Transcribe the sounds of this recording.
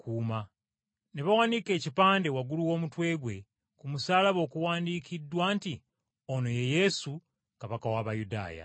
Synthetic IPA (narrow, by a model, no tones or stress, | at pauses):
kuːma | neβawanike̞ːcipaːnde̞waɡuluwo̞ːmutwe̞ːɡwe̞ | kumusaːlaβo̞ːkuwaːndiːkidːwaːnti | ono̞je̞je̞su | kaβakawaβajuda̰ːja̰